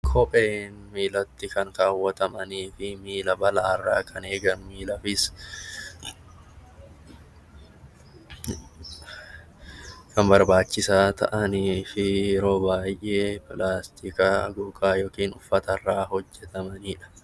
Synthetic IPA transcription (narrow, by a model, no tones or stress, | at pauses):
kʰɔpʼeːnmiːlɐt̪ːɪkɐŋkaːwːɐt̪ɐmɐniːfɪmiːlɐbɐlaːrːa̰ːkʼɐneːɡɐnmiːlɐfɪs | kɐmbɐɾbaːt͡ʃːɪsaːt̪ʰɐ̰ʔɐniːfɪjɛɾo̞ːbaːjʔeːplaːst̪ʰiːkɐ̰ɡuːkʼaːjoːkiːnʊfːɐt̪ɐrːaːɦɔd͡ʒːɛt̪ɐmɐniːᶑɐ̥